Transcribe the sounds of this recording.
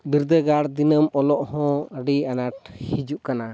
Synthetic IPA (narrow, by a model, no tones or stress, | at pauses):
biɾd̪əɡaɽd̪inəmɔlɔʔhɔ̃əɖianaʈhid͡ʒuʔkana